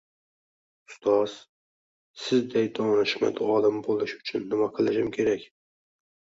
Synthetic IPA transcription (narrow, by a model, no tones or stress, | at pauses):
ʊ̥st̪ʰɑz̥ | sɪzd̪ɛjd̪onɨʃmɛ̰d̪ɑlˠɨmbolˠɨʃy̥t͡ʃʰynːɨmɑqʰɨlˠɨʃɪmkʲʰeɾɛkʲ